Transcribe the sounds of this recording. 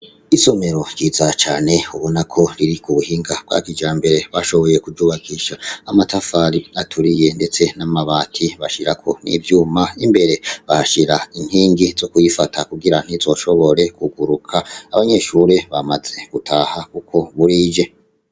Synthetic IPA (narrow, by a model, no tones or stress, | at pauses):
iso̞me̞ɾo̞ɟiːzat͡ʃaːne̞uβo̞nakʰo̞ɾiɾikuβuhiːŋɡab̥̚ɡa̰kid͡ʒaːmbe̞ɾe̞βaʃo̞βo̞je̞kud͡ʒuβaɡiʃaːmatafaɾiatʰuɾije̞nde̞t͡se̞namaβaːtʰiβaʃiɾakʰo̞̰nḭvjuːmaimbe̞ɾe̞βahʃiɾain̥hiːŋɡizokujifatʰakuɡiɾan̥izo̞ʃo̞βo̞ɾe̞kuɡuɾukʰaːβaɲe̞ʃuːɾe̞βamaze̞ɡ̥utʰaːhakukʰo̞βuɾiːd͡ʒe